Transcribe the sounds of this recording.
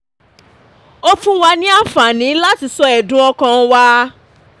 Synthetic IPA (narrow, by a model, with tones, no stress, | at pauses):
o˦fũ˦wa˧nĩ˦a˦˨fa˨nĩ˨˦la˦ti˧sɔ˧ɛ˨dũ˦ɔ˧kã˧wa˦